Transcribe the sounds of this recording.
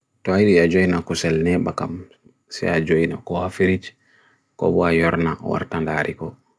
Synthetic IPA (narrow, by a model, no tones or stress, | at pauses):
tɔajɗijad͡ʒojnakusɛlnɛbakam | sɛ̰ad͡ʒojna̰kɔhafiɾit͡ʃ | kɔ̰bɔajɔɾnawa̰ɾtandaɾʔikɔ